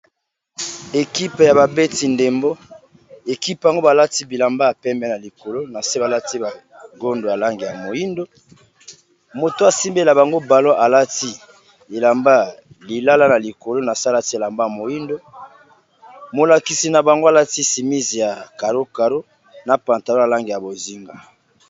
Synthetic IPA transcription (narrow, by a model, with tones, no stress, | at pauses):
e˨ki˦pe˨ja˨βa˨be˦ti˨nde˨mbo˦ | e˨ki˦pa˨ŋɡo˦ba˨la˦ti˦bi˨la˨mba˦a˨pɛ˦mbɛ˦˨na˨li˨ko˨lo˦na˨se˦ba˨la˦ti˦ba˨ | ɡo˦ndo˨a˨la˦ŋɡi˨ja˨mo˨ji˦ndo˦ | mo˨to˦a˨si˦mbe˦la˨ba˨ŋɡo˦ba˨lo˦ʔa˨la˦ti˦ | e˨la˨mba˦ | li˨la˦la˦na˨li˨ko˨lo˦na˨sa˦la˦ti˦e˨la˨mba˦˨mo˨ji˦ndo˦ | mo˨la˨ki˨si˨na˨ba˨ŋɡo˦a˨la˦ti˦si˨mi˦zi˨ja˨ka˨ɾo˦ka˨ɾo˦ | na˨pa˨nta˨lo˦a˨la˦ŋɡi˨ja˨bo˨zi˦ŋɡa˨